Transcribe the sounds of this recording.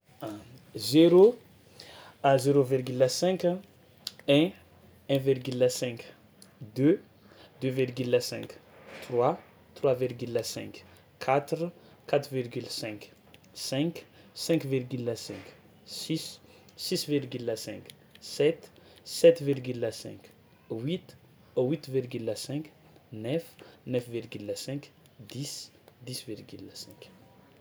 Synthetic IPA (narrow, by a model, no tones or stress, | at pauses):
zeɾo | azeɾovirɡylasɛ̃k | ɛ̃ | ɛ̃virɡylːasɛ̃k | d̪ø | d̪øvirɡylasɛ̰̃kt̪rwa | t̪rwavirɡylasɛ̃k | kʰːat̪ɾə | kat̪ɾvirɡylsɛ̃k | sɛ̃ksɛ̃kviʁɡylasɛ̃k | sis | sisviʁɡylasɛ̃k | sɛt̪sɛt̪viʁɡylasɛ̰̃k | wit̪ | owit̪viɾɡylasɛ̃k | nɛfnɛfviʁɡylasɛ̃k | d̪is | d̪isviʁɡylasɛ̃k